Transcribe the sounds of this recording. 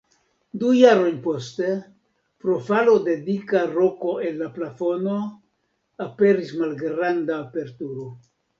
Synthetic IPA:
dujaɾo̞jnpo̞ste | pɾo̞falo̞de̞dikaɾo̞ko̞e̞nːaplafo̞no̞ | ape̞ɾismalɡɾandaːpe̞ɾtuɾo̞

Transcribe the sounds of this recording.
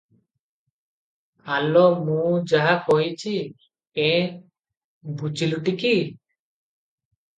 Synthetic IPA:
alɔmũd͡ʒaɦakojt͡ʃʰi | pe | bʱud͡ʒiluʈiki

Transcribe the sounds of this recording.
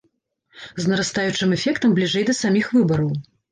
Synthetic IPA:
znɐɾast̪ajut͡ʂɨmɛfʲɛkt̪ɐmblʲiʐɛjd̪ɐsamʲixvɨbɐɾɐw

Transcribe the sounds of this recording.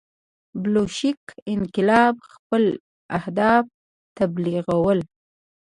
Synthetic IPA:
bloʃikɪnqɪlɑbxpəl | ahd̪ɑb̚ | t̪abliɣawəl

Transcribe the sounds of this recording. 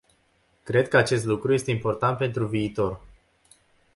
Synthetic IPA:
kɾe̞d̪̚kəat͡ʃe̞st̪lukɾuje̞st̪e̞impo̞rt̪ant̪̚pe̞nt̪ɾuviːt̪o̞r

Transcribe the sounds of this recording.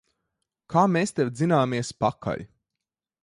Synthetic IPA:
kʰaːmeːst̪ewd̪zinaːmiɛspakʰa̰ʎʲ

